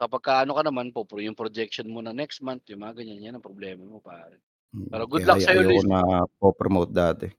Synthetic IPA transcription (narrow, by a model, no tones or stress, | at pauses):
kɐpɐɡ̚kaʔɐnokɐnɐmanpopɾojʊŋpɾod͡ʒɛk̚ʃonmonɐnɛkst̪̚mant̪̚jʊŋmɐŋɐɡɐɲɐnɲɐnɐpɾoblɛːmɐmopaːɾɛn | paːɾɐɡʊlakːjsɐjolionɐpopɾomowt̪̚d̪aːt̪ɛ